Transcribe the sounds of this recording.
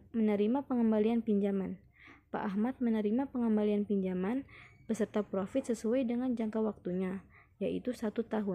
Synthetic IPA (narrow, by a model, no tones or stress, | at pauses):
mənəɾimapəŋəmbalianpiɲd͡ʒaman | pa̰ʔaɦmat̪̚mənəɾimapəŋəmbalianpiɲd͡ʒamanpəsərt̪apɾofɪt̪̚səsuajdəŋand͡ʒaŋkawak̚t̪uɲa | jaʔḭt̪usat̪ut̪aɦʊn